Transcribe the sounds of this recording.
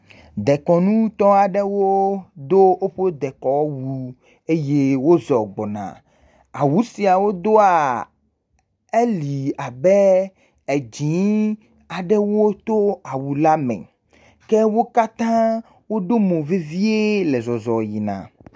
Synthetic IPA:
d̪ɛ˨kɔ˨nũ˦t̪ɔ˦a˨ɖɛ˦wo˦d̪o˦o˦ɸo˦d̪ɛ˨kɔ˨˦wu˦ | e˦je˦wo˦zɔ˨ɡ͡bɔ˨nã̰˨ | a̰˨wu˨˦si˨a˨wo˦d̪o˦a˨ | e˦li˨a˨bɛ˦ | e˨d͡ʑĩ˨˦ | a˨ɖɛ˦wo˦t̪o˦a˨wu˨la˦mɛ̰̃˨ | kɛ˦wo˦ka˦t̪ã˦ | wo˦ɖo˦mõ˨ve˦vi˦e˦le˨zɔ˨zɔ˨ji˨nã̰˨

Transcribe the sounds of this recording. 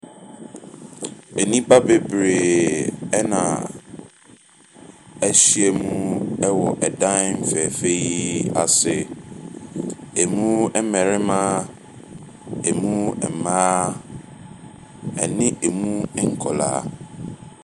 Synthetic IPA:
e˨nĩ˦ba˦be˦bɾe˨ | ɛ˦nã̰˨ | ɛ˦ɕi˦e˨mũ˦ɛ˦wɔ˨ʔɛ˨dã˦m̩˦˨fɛ˨fe˦ji˦a˨sɪ˨ | e˨mũ˦ɛ˦mɛ̃˨ɾɪ˦mã˦ | e˨mũ˦ɛ̰˨mãː˦ | ɛ̰˨nɪ̃˦e˨mũ˦ŋ̩˦kʰɔ̰˨la̰ː˨˦˨

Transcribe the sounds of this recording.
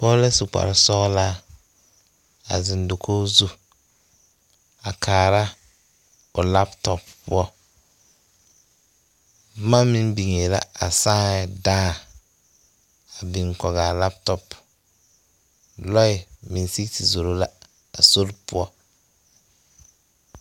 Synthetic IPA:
pɔ˦lɛ˦su˨k͡pa̰˨ɾɪ˨sɔ˦ɣla˦ | a̰˨zɪ˨ndo˨kʰoː˦zu˦ | a˨kʰaː˨ɾa˦ | ʊ˨la˦ptɔ˨ppʊ̰˦ɔ˦ | ma˦mɪ˦nbi˨ŋe˨la̰˦a˨sãː˦˨daː˦ | a˨bɪ˨ŋkɔ˨ɡa˨la˦ptɔ˨p | lɔ˦ɪ˨mɪ˨n˦si˦ti˨zo˨ɾo˦la˦ | a̰˨so˦ɾpʊ˦ɔ˦

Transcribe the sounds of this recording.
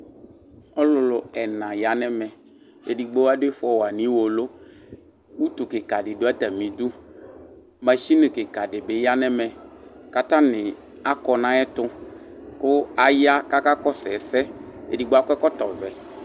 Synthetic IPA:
ɔ˦lʊ˨lʊ˨ɛ˨nã˨ja˨nɛ˦mɛ˨ | e˨di˨ɡ͡bo˦wa˦dɪ˦fɔ˨wa˨nĩ˦wo˨lʊ˦ | wu˦t̪u˨kɪ˨ka˨dɪ˨dʊ˦a˦t̪a˨mĩ˨d̪u˦ | mã˨ʃi˦nɪ̃˨kɪ˨ka˨dɪ˨bɪ˨ja˦nɛ˦mɛ̃˨ka˨t̪ã˦nɪ̃˨ | a˦kɔ˨nã˦ɛ˦t̪ʊ˦ | kʊ˦a˦ja˦ka˦ka˦kɔ˦sɛ˨sɛ˦ḛ˨di˨ɡ͡bo˦a˦kkɔ˦t̪ɔ˨vɛ˨

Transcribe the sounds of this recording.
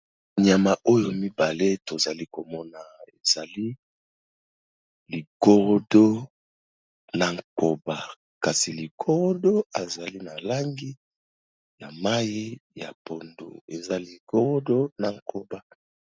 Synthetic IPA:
ɲa˨ma˨ʔo˦jo˨mi˦ba˨le˦to˨za˨li˦ko˨mɔ˦na˨e˨za˨li˦ | li˨ko˦ʁo˦do˦ | na˨ŋko˨ba˨ | ka˨si˨li˨kʰo˦ʁo˦do˦a˨za˨li˦na˨la˦ŋɡi˦ | ja˨ma˦ji˦ja˨po˨ndo̰˨e˨za˦li˨ko˦ʁo˦do˦na˨ŋkʰo˦ba˦

